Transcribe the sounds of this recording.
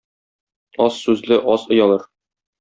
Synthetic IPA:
ɒsːʉzlɘʔɒzŏjɑlˠɤɾ

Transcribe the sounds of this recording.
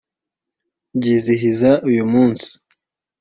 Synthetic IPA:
ɟiːziɦizaʔujumuːnsi̥

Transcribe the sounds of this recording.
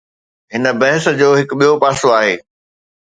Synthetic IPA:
ɦɪnə̆bɐɦɪsd͡ʑoːɦɪkɓijopaːsoaːɦeː

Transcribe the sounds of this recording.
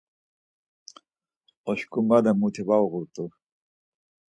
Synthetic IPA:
oɕkumbad̪amut̪ʰibawɣuɾt̪u

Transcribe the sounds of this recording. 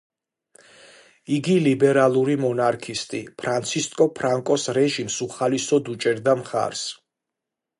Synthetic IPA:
iɡilibɛɾalˠuɾimɔnaɾkʰist̪ʼipʰɾant̪sʰist̪ʼkʼɔpʰɾaŋkʼɔsɾɛʒimsuχalisɔd̪ut͡ʃʼɛɾd̪amχa̰ɾs

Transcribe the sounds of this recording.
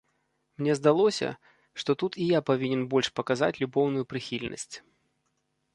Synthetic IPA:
mnʲɛzd̪alˠɔsʲɐ̰ | ʂt̪ɔt̪ut̪ijapavʲinʲɛnbɔlʲʂpɐkaza̰t͡sʲlʲubɔwnʊjupɾɨxʲilʲnɐ̰sʲt͡sʲ

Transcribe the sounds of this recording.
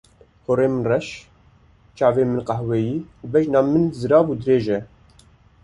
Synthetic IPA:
hoɾeːmɨnrɛʃ | t͡ʃɑːveːmɨnqɑhwɛjiːuːbɛʒnɑːmɨnzɨɾɑːvuːd̪ɨɾeːʒɛ

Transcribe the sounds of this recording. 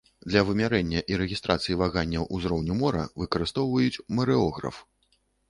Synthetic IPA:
d̪lʲɐvɨmʲaɾɛnʲːɐʔiɾɛɣʲist̪ɾʔat̪sɨjivaɣanʲːɐwʔuzɾɔwnʲumɔɾɐ̰vɨkɐɾɨst̪ɔwvɐjut͡sʲmɐɾɛɔɣɾɐ̰f

